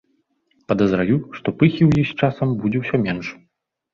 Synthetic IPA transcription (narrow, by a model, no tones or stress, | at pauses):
pɐd̪ɐzɾajuʂt̪ɔpɨxʲiwjist͡ʂasɐmbud͡zʲɛwsʲɔmʲɛnʂ